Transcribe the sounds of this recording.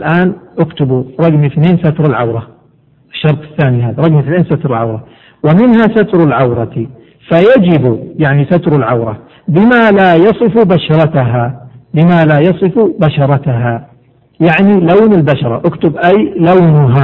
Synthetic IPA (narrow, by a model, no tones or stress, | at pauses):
lʔaːnʔʊkt̪ʊbuɾˤɑɡmiθneːnsat̪ɾˤɪlʕawɾˤɑ | ɪʃːɑɾˤt̪ˤɪ̥θːaːniɦaːðɾˤɑɡmiθneːnsat̪ɾˤɪlʕawɾˤɑ | wɪmɪnhasat̪ɾˤʊlʕawɾˤɑt̪i | fajad͡ʒɪbujaʕnisat̪ɾˤalʕawɾˤɑ | bɪmalajɑsˤɨfubaʃɑɾˤɑt̪aɦabɪmalajɑsˤɨfubaʃɑɾˤɑt̪aɦa | jaʕnilawnɪlbaʃɑɾˤɑʔʊkt̪ʊbʔajlawnʊɦa